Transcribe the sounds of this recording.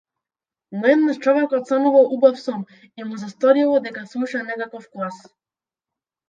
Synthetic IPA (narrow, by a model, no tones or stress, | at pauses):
nɔɛd̪naʃt͡ʃɔvɛkɔt̪sanuvalˠubafsɔm | imuzast̪ɔɾilˠɔd̪ɛkaslˠuʃanɛkakɔfklˠas